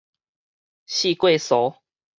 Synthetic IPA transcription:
ɕi˥˧˨kwe˥˧˨sɔ˨˦

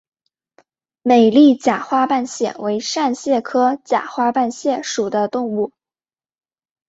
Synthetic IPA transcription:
me˨˩ɪli˥˩t͡ɕja˨˩xwa˥pa˥˧nɕjɛ̰˥˩we˧˥ɪʂa˥˧nɕjɛ˥˩kʰɤ˥t͡ɕja̰˨˩xwa˥pa˥˧nɕjɛ˥˩ʂu˨˩d̪ə˦t̪ʊ˥˧ŋu˥˩

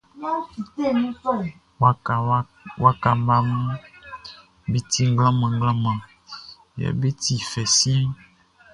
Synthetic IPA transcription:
ja˦fi˨t̪e˦˨nĩ˦kɔ˦˨ | wa˦a˨˦ | wa˦ka˨mba˦mũ˦ | bi˦t̪i˦ŋ˦ɡlã˦mã˨ŋ˦ɡlã˦mã˨ | jɛ̰˨be˦t̪i˨fɛ˨sĩ˦

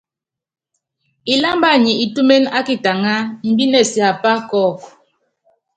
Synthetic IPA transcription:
i˦la˦mba˦˨ɲi˨i˨tu˦me˦na˦ki˦ta˨ŋa˦m̩˨bi˦nɛ˦˨sja˨pa˦kɔ˦˨k

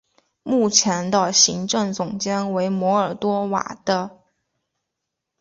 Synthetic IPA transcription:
mu˥˩t͡ɕʰjɛ˧˥nd̪ə˧ɕi˧˥ŋʈ͡ʂɤ˥˩ŋt͡sʊ˨˩ŋt͡ɕjɛ˥nwe˧˥ɪmwɔ˧˥ə˞˨˩t̪wɔ˥wa̰˨˩d̪̥ə˦

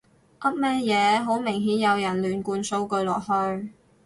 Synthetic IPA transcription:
ʔɐ˥t̚mɛː˥jɛː˨˧ɦo˨˥wmɪ˨˩ŋɦiː˨˥njɐ˨˧wjɐ˨˩nlyː˨˩nkuː˧nso˧wkɵ˧ɥlɔː˨k̚hɵ˧ɥ

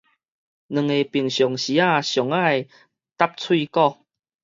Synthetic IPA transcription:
nɨ̃˨˩ŋe˨pi˨˩ŋɕjɔ˨˩ŋɕi˨˦a˥˧ɕjɔ˨˩ŋa˥˧j | t̪a˦p̚t͡sʰwi˥˧kɔ˥˧

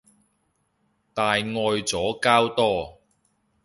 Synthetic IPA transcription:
t̪aː˨jŋɔː˧jt͡sɔː˨˥kaː˥wt̪ɔː˥

